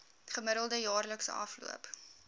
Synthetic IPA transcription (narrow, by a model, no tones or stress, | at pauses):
χəməɾəlˠdəjɑːrləksə̰ɐ̰flṵəp